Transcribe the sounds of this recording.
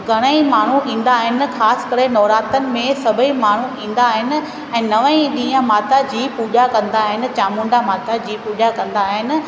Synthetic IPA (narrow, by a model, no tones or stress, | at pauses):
ɡʱɐɽ̃əimaːɳ̤uʔĩːn̆d̪aːɦɪnɪ̆xaːskɐɾenɔːɾaːt̪ənɪ̆mẽsɐbʱəimaːɳ̤uĩːn̆d̪aːɦɪnɪ̆ | ɛ̃ːnɐʋəĩɗĩːɦə̃maːt̪ad͡ʑiːpuːʄakɐ̃nd̪aːɦɪnɪ̆t͡ɕaːmũːɳɖamaːt̪ad͡ʑiːpuːʄakɐ̃nd̪aːɦɪnɪ̆